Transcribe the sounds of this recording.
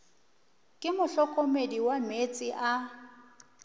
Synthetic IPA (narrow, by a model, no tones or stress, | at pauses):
kʼɪmʊɬɔkʼɔmediwamet͡sʼiʔa